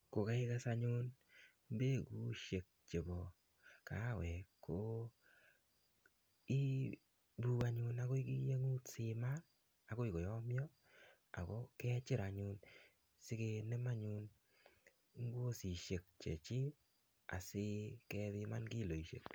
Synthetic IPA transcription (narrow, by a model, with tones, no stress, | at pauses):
ko˨ka˦ɪ˦ka˦sa˧ɲʊ˦n | be˦˨ɡu˦ʃe˨k̚t͡ʃe˨bɔ˨ | ka˨˦˨wɛ˨kʰːo˨ | i˦ | bu˦a˨ɲʊ˧na˦ko˦i˦ki˦je˦ŋu˦tsɪ˨ma˦ | a˨ko˦ɪ˨ko˨jɔ˦mjɔ˦ | a̰˨kɔ˦kɛ˦t͡ʃɪ˦ɾa˨ɲʊ˧n | sɪ˦ke˧ne˦ma˦ɲʊ˦n | ŋ˦ɡo˦si˨ʃe˨k̚t͡ʃḛ˨t͡ʃɪ˦ | a̰˨sɪ˦kɛ˦ðɪ˦ma˦nki˦˨lo˨i˨ʃḛ˨k